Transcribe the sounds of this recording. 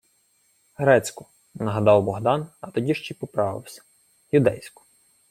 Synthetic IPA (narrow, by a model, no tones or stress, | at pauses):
ɦɾɛt͡sʲkʊ | nɐɦɐd̪ɑwbɔɦd̪ɑnɐt̪ɔdʲiʃt͡ʃipɔpɾɑʋɪ̰wsʲɐ̥ | jʊd̪ɛjsʲkʊ̥